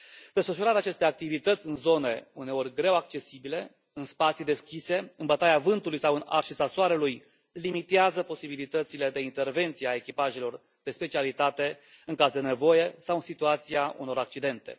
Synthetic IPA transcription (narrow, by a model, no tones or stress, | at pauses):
d̪̥e̞sfəʃuɾat̪eat͡ʃe̞st̪e̞ak̚t̪ivit̪ət̪sʲɨnzo̞ne̞une̞o̞rʲɡɾe̞wak̚t͡ʃe̞sibile̞ | ɨnspat̪sid̪e̞skʲise̞ɨnbət̪aeavɨnt̪ulujsawɨna̰rʃisasoaɾeluj | limit̪eazəpo̞sibilit̪ət̪sile̞d̪e̞int̪e̞rve̞nt̪sijeae̞kʲipaʒelo̞r | d̪̥e̞spe̞t͡ʃialit̪at̪e̞ɨŋkazd̪e̞ne̞vo̞je̞sawɨnsit̪uat̪siaṵno̞ɾak̚t͡ʃid̪e̞nt̪e̞̰